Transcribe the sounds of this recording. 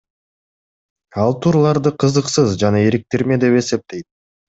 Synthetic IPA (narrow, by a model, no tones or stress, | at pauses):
ɑlˠt̪ʰuːɾulˠɑɾd̪ɯqʰɯzɯqsɯzd͡ʒɑnɑeɾik̚t̪eɾme̞d̪e̞pe̞se̞p̚t̪e̞jt̪̚